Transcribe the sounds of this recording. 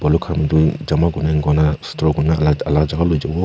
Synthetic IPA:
bɔlukʰaɾmidud͡ʒamaɡunaŋɡɔnastɾɔɡunaaalad͡ʒaɡalojd͡ʒabɔ

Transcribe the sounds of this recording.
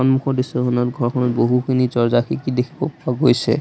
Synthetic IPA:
ɔnmukʰɔdisɔɦɔnɔtɡʱɔɹkʰɔnɔboɦukʰinit͡ʃɔɹzakʰikid̪ekʰibɔpaɡojsʰḛ

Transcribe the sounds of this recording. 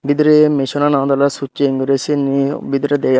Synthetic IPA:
bid̪ɾemeʃonanad̪ɔlasueiŋɡuɾesinibid̪ɾed̪ej

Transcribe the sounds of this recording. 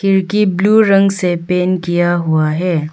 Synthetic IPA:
kɪɾkibluːɾɐ̃ŋɡsepeːnkijaɦʊaɦɛː

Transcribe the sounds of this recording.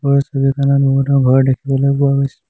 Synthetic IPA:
bɔɹsobikananboɦutɔɡʱɔɹdekʰibɔlojpʊaɡojsɛ̥

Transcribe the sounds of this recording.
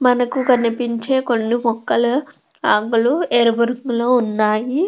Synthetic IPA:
mɐnɐkukɐnipiɲt͡ʃeːkonːimɔkːɐlɐ | aːŋɡulueːɾʋɐɾkloːunːaːji

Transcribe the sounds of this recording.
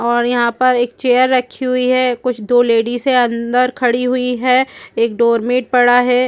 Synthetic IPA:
ɔːɾjɐɦãpɐɾeːk̚t͡ʃeːjəɾːɐkʰːiɦʊiɦɛːkʊt͡ʃʰd̪oːleːɖiseɐ̃nd̪əɾkʰɐɽiɦʊiɦɛːeːk̚ɖoːɾmẽːʈ̚pɐɽaɦɛː

